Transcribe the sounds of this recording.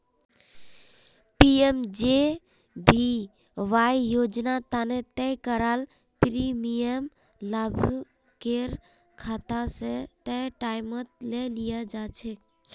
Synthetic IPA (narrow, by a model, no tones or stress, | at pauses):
piemd͡ʒe | bʱi | ʋajjod͡ʒnat̪anet̪ɛkəɾal | pɾimijəm | ləbʱ | keɾ | kʰat̪aset̪ɛʈaɪmət̪lelijad͡ʒat͡ʃʰɛk